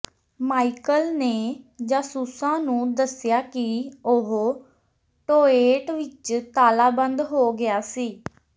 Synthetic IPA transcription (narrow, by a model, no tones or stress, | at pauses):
maːikəlneːd͡ʒãːsuːsãːnũːd̪əsɪjaːkɪʊɦ | ʈoːeːʈʋɪt͡ʃt̪aːlaːbə̃nd̪ɦoːɡɪaːsiː